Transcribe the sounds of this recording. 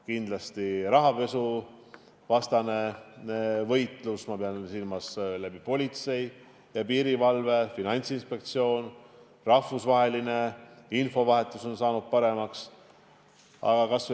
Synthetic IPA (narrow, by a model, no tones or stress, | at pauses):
kind̪̥lɑst̪iɾɑɦɑpe̞su | vɑst̪ɑne̞ | vɤjt̪ˑlusmɑpeɑnsilmɑslæb̥ipo̞lʲit̪se̞j | jɑpiːɾivɑlve̞finɑnʲt̪sinspe̞k̚t̪sio̞ːn | rɑfusvɑɦe̞line̞info̞vɑɦe̞t̪ːˑuso̞nsɑːnud̪̥̚pɑɾe̞mɑks | ɑ̰ɡɑkɑs